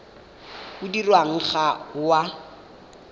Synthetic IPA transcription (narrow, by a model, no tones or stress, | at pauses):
ʊdirwaŋ̩χaʊwa